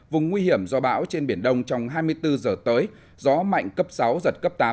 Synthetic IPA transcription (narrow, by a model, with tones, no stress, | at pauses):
vʊ˨˩ŋ͡mːwi˧hi˧˩əmzɔ˧˩ɓa̰ː˧˥wt͡ɕe˧nɓi˧˩ənɗə˧wŋ͡mt͡ɕɔ˧wŋ͡mɦaː˧jmɨ˧əjt̪ɨ˧zəː˨˩t̪əː˨˦j | zɔ˨˦ma̰˧˨jŋ̟kə˦˥p̚sa˨˦wzə˨˩t̚kə˦˥p̚t̪aː˨˦